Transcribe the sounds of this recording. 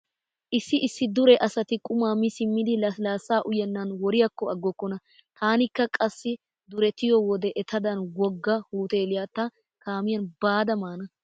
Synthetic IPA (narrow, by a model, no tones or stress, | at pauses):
ʔɪsːɪʔɪsːɪd̪ʊɾɛʔɐsɐt̪ɪkʼʊmaːmɪsɪmːɪd̪ɪlɐlaːsːaːʔʊjɛnːɐnwɔɾɪjɐkːɔɐɡːɔkːɔnɐ | t̪ʰaːnɪkːɐkʼɐsːɪ | d̪ʊɾɛt̪ɪjɔwɔd̪ɛʔɛt̪ɐd̪ɐnwɔɡːɐhuːt̪eːlɪjaːt̪ːɐ | kaːmɪjɐnbaːd̪ɐmaːnɐ